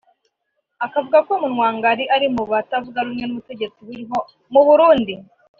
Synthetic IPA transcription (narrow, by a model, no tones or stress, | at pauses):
akavuɡakomunwaːŋɡaɾiʔaɾimuβatavuɡaɾumŋe̞nuβute̞ɟe̞t͡siβuɾiɦo | muβuɾuːndi